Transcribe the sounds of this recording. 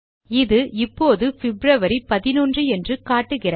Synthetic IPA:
ɪðɯʔɪpːoːðɯfɪbɾɐʋɐɾipɐðɪnoːndrɯɛndrɯkaːʈːɯɣɪrɐ

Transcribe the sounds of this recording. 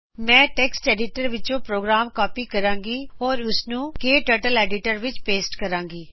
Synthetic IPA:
mɛ̃ːʈɛːksʈɛːɖɪʈəɾʋɪt͡ʃõːpɾoːɡɾaːmkɔːpiːkəɾãːŋɡiːɦoːɾʊsnũːkeːʈəːɾʈəlɛːɖɪʈəɾʋɪt͡ʃpeːsʈkəɾãːŋɡiː

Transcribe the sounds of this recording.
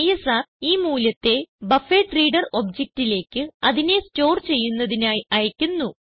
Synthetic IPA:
jesaːiːmuːlɐt̪ːe̞bɐfeʈriːɽɐro̞bd͡ʑek̚tile̞ːkʲːɨɐðine̞sto̞ːrt͡ɕe̞jːunːɐðinaːjɐjɐkʲːunːu

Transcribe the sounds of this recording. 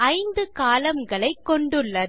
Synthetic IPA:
ɐɪnd̪ɯkaːlɐmɡɐɭɐɪkːɔɳɖɯɭːɐ

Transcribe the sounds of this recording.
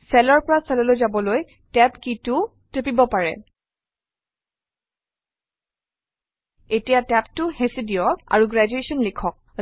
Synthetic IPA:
sɛlɔɹpɔɹasɛlɔlojzabɔloj | tɛpkitʊ | tepibɔpaɹɛ̰ | etijatɛptʊhesidiɔɡa̰ɹuɡɹɛd͡ʒuesɔnlikʰɔk̚

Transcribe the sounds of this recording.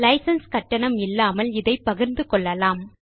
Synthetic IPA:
lɐɪsɐnskɐʈːɐɳɐmɪlːaːmɐlɪðɐɪpːɐɣɯɾnd̪ɯkɔɭːɐlaːm

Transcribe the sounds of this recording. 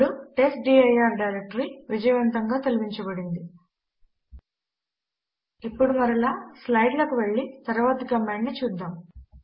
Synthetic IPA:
ɽuʈe̞sʈɖiːɐjaːɾɖɐjɾek̚ʈɐɾiʋid͡ʒɐjʋɐnt̪ɐŋɡaːt̪ɐlibiɲt͡ʃɐbɐɽind̪i | ipːuɽumɐɾilaːslɐjɖlɐkuʋeɭːit̪ɐɾʋaːt̪ɐkɐmːaːɳnit͡ʃuːd̪ːaːm

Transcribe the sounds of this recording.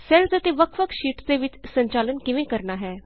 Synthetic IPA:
sɛlsət̪eːʋəkʰʋəkʰʃiːʈd̪eːʋɪt͡ʃsəɲt͡ʃaːlənkɪʋẽːkəɾnaːɦɛː

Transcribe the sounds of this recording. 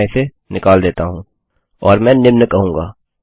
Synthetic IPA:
ĩse | nɪkaːld̪eːt̪aɦũː | ɔːɾmɛ̃ːnɪmnəkɐɦũːŋɡa̰ː

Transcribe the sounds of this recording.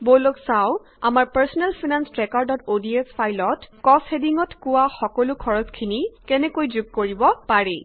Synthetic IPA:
boloksaw | amaɹpaɹsɔnɛlpʰinanstɹɛkɔɹdɔtodiɛspʰajlɔtkɔshediŋɔtkʊwaxɔkɔlʊkʰɔɹɔskʰinikɛnɛkojzuɡ̚koɹibɔpaɹɛ

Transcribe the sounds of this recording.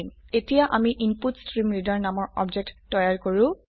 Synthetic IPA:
metijaʔamiʔinputstɹimɹidaɹnamɔɹɔ̰bd͡ʒek̚tːɔjaɹkoɹũ

